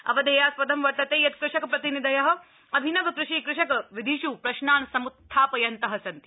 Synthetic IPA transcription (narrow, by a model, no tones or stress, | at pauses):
ɐ̰ʋɐd̪eːjaːspɐd̪ʱɐmʋɐʈ̪ɐt̪eːjɐt̪kɾɪʃɐkɐpɾɐt̪inid̪ɐjɐɦɐ̆ | ɐbʱinɐʋɐkɾuʃiːkɾɪʃɐkɐʋid̪ʱiʃuːpɾɐʃnaːnsɐmut̪ʰːaːpɐjɐnt̪ɐɦɐsɐnt̪i